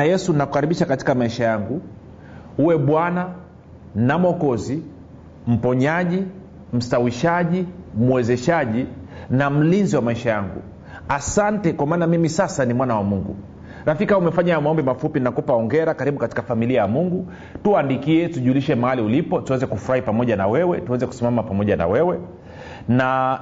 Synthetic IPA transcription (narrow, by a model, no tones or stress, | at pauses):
ajɛsunaku̥kaɾiɓiʃakati̥kamaiʃajaŋɡu | uwɛɓwana | namɔkɔzi | m̩pɔɲaʄi | m̩stawiʃaʄimwɛzɛʃaʄinam̩linziwamaiʃajaŋɡṵ | asantɛkwamaːnamimisasanimwanawamuŋɡṵ | ɾafikaumɛfaɲajamaɔmbɛmafupinakupaɔŋɡɛɾakaɾiɓukati̥kafamiliajamuŋɡu | tuandikiɛtuʄuliʃɛmahaliulipɔtuwɛzɛkufuɾahipamɔʄanawɛwɛtuwɛzɛku̥simamapamɔʄana̰wɛwɛ | na